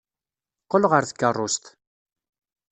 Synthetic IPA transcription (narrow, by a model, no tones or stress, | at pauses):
qːolʁəɾθə̥kːərˤːʊst̪